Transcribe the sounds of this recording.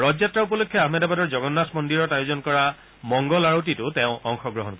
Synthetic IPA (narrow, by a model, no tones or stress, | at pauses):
ɹɔzjatɹaup̬ɔlokʰːjɔaɦmɛdabadɔɹzɔɡɔnːasmɔndiɹɔtajozɔnkɔɹa | mɔŋɡɔlaɹotitʊtɛʊ̃ɔŋxɔɡɹɔɦɔnkɔɹ